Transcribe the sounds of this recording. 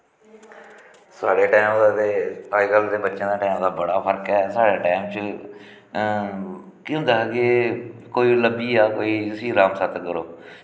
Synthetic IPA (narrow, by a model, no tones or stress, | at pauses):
saːɽeːʈaːmd̪aːd̪eːaiɡəlːd̪eːbətːʃẽːd̪aːʈaːmd̪aːbəɽaːpʰəɾkɛːsaːɽeːʈaːmt͡ʃ | kːõnd̪aːɡeːkoːiːləbiːaːkoːiːʊsĩːɾaːmsət̪kəɾoː